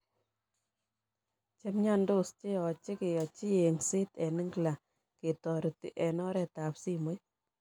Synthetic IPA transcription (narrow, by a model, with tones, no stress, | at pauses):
t͡ʃe˦mɲa˦ndo˦˨st͡ʃe˦ɔ˨t͡ʃɪ˦ke˨jɔ˨t͡ʃi˦e˨ŋsɪ˦tɛ˨nɪ˦ŋɡla˨ | ke˨tɔ˨ɾi˨ti˨ʔɛ˨nɔ˦ɾɛ˦ta˨psi˦mu˦j